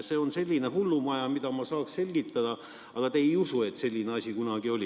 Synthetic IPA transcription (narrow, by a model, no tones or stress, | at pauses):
se̞ːonse̞lʲːineɦulːumɑjɑmid̪̥ɑmɑsɑːksse̞lʲɡ̥it̪ːˑɑd̪̥ɑ | ɑɡ̥ɑt̪eejusue̞t̪se̞lʲːineɑsʲikunɑɡ̥io̞lʲi